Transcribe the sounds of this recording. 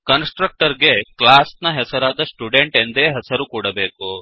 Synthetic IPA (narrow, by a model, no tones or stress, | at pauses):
kɐnsʈɾɐk̚ʈɐɾɡeklaːsnɐɦɛsɐɾaːd̪ɐsʈuɖeɳʈend̪eːɦɐsɐɾukuːɽɐbeːku